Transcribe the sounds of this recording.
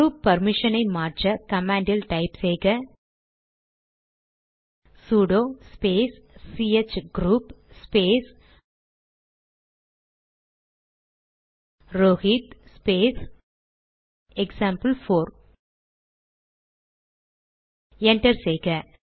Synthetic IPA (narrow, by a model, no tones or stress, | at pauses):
ɡuːpːɐɾmɪʂɐnɐɪmaːɾt͡ʃɐkɐmaːɳɖɪlʈɐɪpsɛjɣɐ | suːɽoːspeːsː | iet͡ʃɡɾuːpspeːs | ɾoːɣiːt̪speːs | ɛksaːmpɐlfoːɾ | ɛɳʈɐɾsɛjɣɐ